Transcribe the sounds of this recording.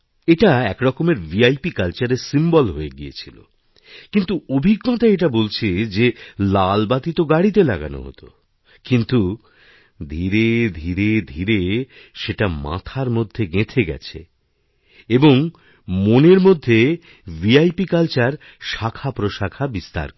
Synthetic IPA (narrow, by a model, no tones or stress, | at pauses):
eʈaɛkɾɔkomeɾviajpikalt͡ɕaɾeɾsimbolɦoeɡiḛt͡ɕʰilo̰ | kint̪uobʱiɡːɔt̪aeʈ̬abolt͡ɕʰed͡ʑelalbat̪it̪oɡaɽit̪elaɡa̰no̰ɦo̰t̪o | kint̪u | d̪ʱiɾed̪ʱiɾed̪ʱiɾe | ʃeʈama̰t̪ʰaɾmod̪ʱːeɡẽt̪ʰeɡɛ̰t͡ɕʰḛ | eboŋ | moneɾmod̪ʱːe | viajpikalt͡ɕaɾ | ʃakʰapɾoʃakʰabist̪a̰ɾk